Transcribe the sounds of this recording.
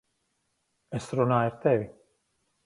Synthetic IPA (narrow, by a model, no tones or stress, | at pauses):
ɛsɾunaːiɾt̪ɛvi